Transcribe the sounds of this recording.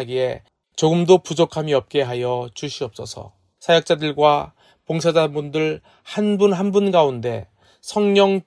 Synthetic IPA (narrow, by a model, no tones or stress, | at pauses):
ɡie̞ | t͡ɕoɡɯmdopud͡ʑokʰamiʌp̚k͈e̞ɦajʌt͡ɕuɕʰiʌp̚s͈ʌsʰʌ̰ | sʰajʌk̚t͡ɕ͈adɯɭɡwa | poŋsʰad͡ʑabundɯɭ | hanbunɦanbunɡaunde̞ | sʰʌŋɲʌŋ